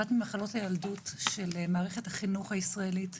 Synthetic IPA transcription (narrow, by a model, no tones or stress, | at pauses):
atmimaχalo̞thajaldutʃelmaːʁeχethaχinuχhaisʁaelit